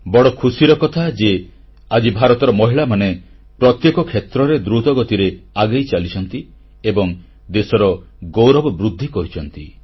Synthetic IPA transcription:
bɔɽɔkʰusiɾɔkɔt̪ʰad͡ʒe | ad͡ʒibʱaɾɔt̪ɔɾɔmɔɦiɭamane | pɾɔt̪jekɔkʰet̪ɾɔɾed̪ɾut̪ɔɡɔt̪iɾeaɡajt͡ʃalit͡ʃʰɔnt̪i | ebɔŋ | d̪esɔɾɔ | ɡowɾɔbɔbɾud̪ʱːikɔɾit͡ʃʰɔnt̪i

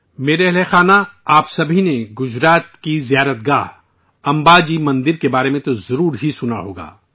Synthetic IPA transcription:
meːɾɛɦlexaːnaaːpsɐbʱineɡʊd͡ʒɾaːt̪kizijaːɾət̪̚ɡaːɦ | ɐ̃mbaːd͡ʒimɐ̃nd̪ɪɾkebaːɾemẽt̪ozɐɾuːɾɦisʊna̰ɦoːɡa̰ː

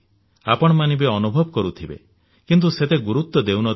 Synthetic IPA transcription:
a̰pɔɽ̃ɔmanibeɔnubʱɔbɔkɔɾut̪ʰibḛ | kint̪̬uset̪eɡuɾut̪ːɔd̪ewnɔ

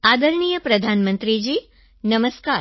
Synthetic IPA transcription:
ad̪əɾɳijəpɾəd̪ʱanmənt̪ɾid͡ʒiː | nəməska

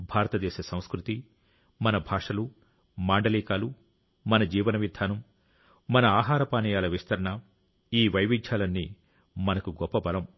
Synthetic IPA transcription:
bʱaːɾɐt̪ɐd̪ɛːʃɐsɐ̃w̃skɾut̪i | mɐnɐbʱaːʂɐlu | maːɳɖɐliːkaːlu | mɐnɐd͡ʒiːʋɐnɐʋid̪ʱaːnɐm | mɐnɐaːɦaːɾɐpaːnɐjaːlɐʋist̪ʰɐɾɐɳɐ | iːʋɐjʋit͡ʃʰaːlɐnːiː | mɐnɐkuɡɔpːɐbɐlɐm

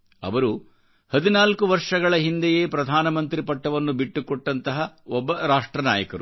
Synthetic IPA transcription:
ɐ̰ʋɐɾu | hɐd̪inaːlkuʋɐɾʂɐɡɐɭɐɦind̪eje̞ːpɾɐd̪ʱaːnɐmɐnt̪ɾipɐʈːɐʋɐnːubiʈːukoʈːɐnt̪ɐɦɐɔbːɐɾaːʂʈɾɐna̰ːjɐkɐɾu

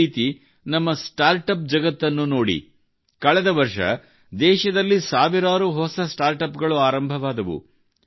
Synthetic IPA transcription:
iːt̪i | nɐmːɐsʈaːɾʈɐp̚d͡ʒɐɡɐt̪ːɐnːuno̞ːɽḭ | kɐɭɛd̪ɐʋɐɾʂɐ̰ | d̪ɛːʃɐd̪ɐlːisaːʋiɾaːɾuɦɔsɐsʈaːɾʈɐpɡɐɭuaːɾɐmbʱɐʋaːd̪ɐʋṵ

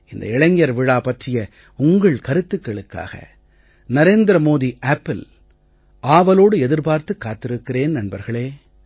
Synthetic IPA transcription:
ɪnd̪ɐ̰ɪɭɐŋjɐɾʋɪɻaːpɐʈrɪjɐ | ʊŋɡɐɭkɐɾɯt̪ːɯkːɐɭɯkːa̰ːɣɐ̰ | nɐɾeːnd̪ɪɾɐmoːðiʔaːpːɪl | ʔaːʋɐloːɽɯɛðɪɾpaːɾt̪ɯkːaːt̪ːɪɾɯkːɪreːnnɐnbɐɾɣɐɭeː

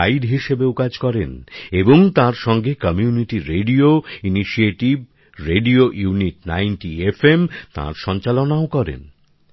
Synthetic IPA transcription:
aiɖɦiʃebeokad͡ʑkɔɾeneboŋt̪ãɾʃɔŋɡekɔmijuniʈiɾeɖioiniʃieʈib̚ | ɾeɖioʔjuniʈ̚najnʈiefemt̪ã̰ɾʃɔnt͡ɕalonaokɔɾḛn

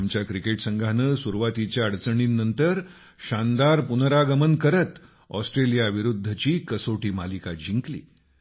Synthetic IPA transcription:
mt͡ɕjakɾikeʈsəŋɡʱanəːsuɾʋat̪it͡ɕjaəɽt͡səɳ̃inːənt̪əɾ | ɕand̪aɾpunɾaɡəmənkəɾət̪ | ɔsʈɾelijaʋiɾud̪ʱːət͡ɕiːkəsoʈiːmalikad͡ʑʱiŋklḭː

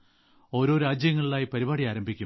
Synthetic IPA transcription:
o̞ːɾo̞ːɾaːd͡ʑjɐŋːɐɭiɭaːjipɐɾibaːɽijaːɾɐmbʱikʲːu

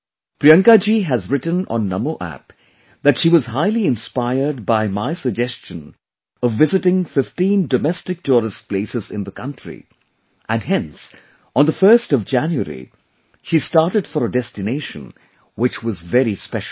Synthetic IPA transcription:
pɾiʌ̃ŋkad͡ʒiɦɨzɹɪtə̃n̩ɔ̰̃nːʌmoʔæ̰p | ðɨtʃiwʌz̥ɦaɪliɪ̃nspaɪə˞d̚baɪmaɪsəɡ̚d͡ʒɛst͡ʃə̃n | ʌvːɪzɨtɪ̃ŋfɪftĩndɔmɛstɨk̚tʰɔɾɨs̚pleɪsɨzɪ̃nðəkʰʌ̃ntɹḭ | ʔɨ̃nɦɛ̃ns | ə̃nðəfɜ˞stʌvd͡ʒæ̃njuə̰ɾḭ | ʃistɑɹtɨdfɔɾədɛstɨneɪʃə̰̃n | wɨt͡ʃwʌzvɛɾispɛʃl

